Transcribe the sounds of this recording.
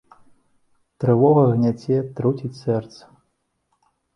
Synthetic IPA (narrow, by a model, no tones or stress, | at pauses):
t̪ɾɨvɔɣɐɣnʲat͡sʲɛt̪ɾut͡sʲit͡sʲsɛrt̪sɐ̥